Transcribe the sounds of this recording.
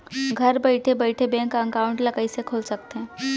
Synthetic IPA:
ɡʱɐɾbɐɪʈʰebəɪʈʰebɛ̃ːŋkːaə̃ŋkaːʊ̃ɳʈlɐkaːisekʰoːlsɐk̚t̪eɦɛ̃ː

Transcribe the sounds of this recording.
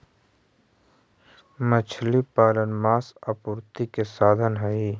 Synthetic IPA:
mət͡ʃʰlipaːlənmaːsəpʊɾt̪ikesaːd̪ʱənɦəi

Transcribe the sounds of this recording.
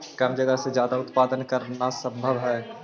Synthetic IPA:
kəmd͡ʒəɡased͡ʒjaːd̪aʊt̪paːd̪ənkəɾnasə̃mbʱəʋɦɛː

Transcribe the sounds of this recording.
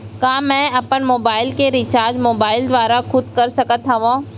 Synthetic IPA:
kãːmɛ̃ːɐpənmoːbaːɪlkeɾɪt͡ʃaːɾd͡ʒmoːbaːɪld̪ʋaːɾaxʊd̪kɐɾsɐkət̪ɦɐʋãː

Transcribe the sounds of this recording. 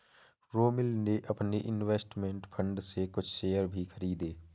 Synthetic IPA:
ɾoːmɪlneʔɐpneʔɪnʋeːsʈmẽɳʈpʰə̃ɳɖsekʊt͡ʃʰʃeːjəɾbʱixʰəɾiːd̪eː

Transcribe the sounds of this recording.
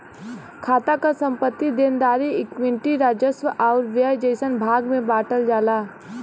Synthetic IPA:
kʰaːt̪akasə̃mpət̪ːid̪eːnd̪aːɾiɪkwɪ̃ɳʈiɾaːd͡ʒəswəʔaːʊɾʋjaːjd͡ʒeːsənbʱaːɡmẽbaːʈəld͡ʒaːlaː

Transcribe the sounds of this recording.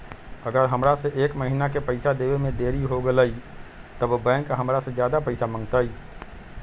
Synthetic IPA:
əɡəɾɦəmɾasẽʔekməɦinakepəɪsad̪ebemed̪eɾiɦoɡeləjt̪əbbɛ̃ŋkɦəmɾasə̃d͡ʒjad̪apəɪsaməŋɡt̪əj

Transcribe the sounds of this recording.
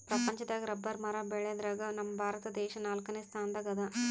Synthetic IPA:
pɾɐpɐɲt͡ʃɐd̪aːɡɐɾɐbːɐɾmɐɾɐbɛɭɛjd̪ɾaːɡɐnɐmːɐbʱaːɾɐt̪ɐd̪ɛːʃɐnaːlkɐnest̪ʰaːnd̪ɐɡɐd̪ɐ

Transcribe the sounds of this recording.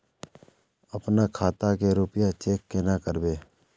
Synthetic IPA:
əpnakʰaːt̪akeɾuːpɪjat͡ʃeːkːenakəɾbeː

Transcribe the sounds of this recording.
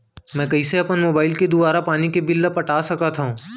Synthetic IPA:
mɛ̃ːkɐiseɐpənmoːbaːɪlked̪ʊbaːɾapaːnikebɪlːapɐʈaːsɐkat̪ʰaũ

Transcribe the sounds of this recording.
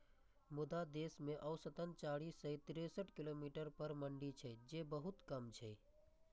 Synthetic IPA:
mʊd̪ad̪eːsmẽʔəʊsət̪ənt͡ʃaːɽiːsːəit̪ɪɾeːsəʈkɪloːmiːʈəɾpɐɾməɳɖit͡ʃʰɛd͡ʒeːbəɦʊt̪kəmt͡ʃʰɛ

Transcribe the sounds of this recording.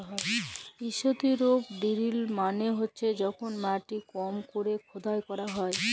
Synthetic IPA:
ɦɔeiʃot̪iɾobɖiɾilmaneɦotːɕʰed͡ʑɔkʰonmaʈikɔmkoɾekʰod̪aekɔɾaɦɔe

